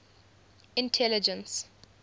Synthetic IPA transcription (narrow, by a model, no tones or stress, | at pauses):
ɪ̃ntʰɛlɪd͡ʒə̃ns